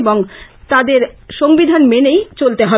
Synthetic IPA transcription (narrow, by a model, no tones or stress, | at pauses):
boŋt̪ad̪eɾʃoŋbid̪ʱanmenejt͡ɕolt̪eɦɔ